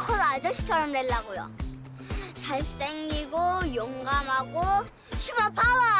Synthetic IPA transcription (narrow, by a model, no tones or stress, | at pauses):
kʰʌdad͡ʑʌɕʰi̥t͡ɕʰʌɾʌmdweɭːaɡojo̰ | t͡ɕaɭs͈eŋɡiɡojoŋɡamɦaɡo | ɕʰubapʰawa